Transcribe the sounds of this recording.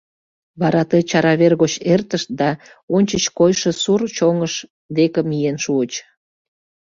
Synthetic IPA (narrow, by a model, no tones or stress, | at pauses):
βɑɾɑt̪ejt͡ɕɑɾɑβerɣot͡ɕert̪əʃt̪̚d̪ɑ | onʲt͡ɕət͡ɕkojʃesurt͡ɕoŋəʃ | d̪ekəmijenʃuət͡ɕ